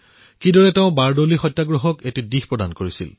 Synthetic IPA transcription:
kidɔɹɛteʊ̃baɹdolixɔtːjaɡɹɔɦɔketidixpɹɔdankoɹisḭl

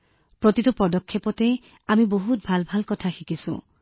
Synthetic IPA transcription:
pɹɔt̪itɔpɔdɔkʰːepɔte | amiboɦut̚bʱalbʱalkɔtʰaxikisṵ̃

